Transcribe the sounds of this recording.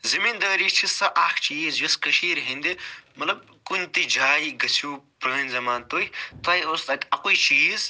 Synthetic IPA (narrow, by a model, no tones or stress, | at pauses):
zɐmiːnd̪əːɾiːt͡ʃʰisɐʔaːkʰt͡ʃiːzjɐskɐʃiːɾɦind̪emɐt̪lɐb̚ | kunʲt̪id͡ʒʱaːjiɡɐsʰuːpɾɐːnzɐmaːnt̪ojt̪ɐːjost̪ɐk̪ʲɐkujt͡ʃiːz